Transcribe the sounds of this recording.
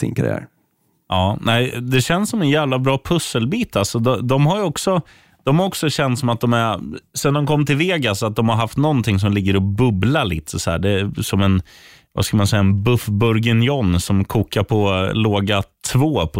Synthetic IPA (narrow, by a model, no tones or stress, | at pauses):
sɪ̰nkʰa̰ɾɪ̰æ̰ːɾ | ʔɑːnɛɪd̪ɛɕɛnsːɔmɛnjæːvlabɾɑːpʰɵsːəlbiːt̪ʰalsɔd̪ɔd̪ɔmhajɔksɔ | d̪̥ɔmhaɾɔksɔɕɛnt̪sɔmat̪̚d̪ɔmæɾsɛnd̪ɔmkʰɔmːt̪ʰɪlveːɡasat̪̚d̪ɔmhaɾɦaft̪nɔnt̪ʰɪŋs̬ɔmlɪɡːəɾɔbɵblaliːt̪ʰəsɔæ̰ːɖɛsɔmɛn | va̰skalmansɛjːaɛnbɵfbɵɾɡɪnjɔnːsɔmkʰuːkaɾpʰɔloːɡat̪ʰvoːpʰɔ